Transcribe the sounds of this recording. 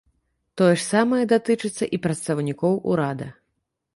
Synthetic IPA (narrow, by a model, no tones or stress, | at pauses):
t̪ɔjɛʂsamɐjɛd̪at̪ɨt͡ʂɨt̪sːɐʔipɾɐt̪st̪ɐwnʲikɔwʔṵɾad̪ɐ̰